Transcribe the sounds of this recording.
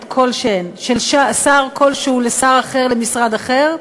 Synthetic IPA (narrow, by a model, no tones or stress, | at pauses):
t̪kʰo̞lʃenʃelʃasaʁkʰo̞lʃehulesaʁaχe̞ʁle̞misʁad̪aχeʁ